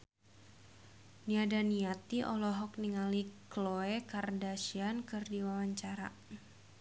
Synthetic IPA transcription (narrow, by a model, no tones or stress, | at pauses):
niadaniat̪iʔɔlɔɦɔk̚niŋalikloekardasiankɨrdiwawaɲt͡ʃaɾa̰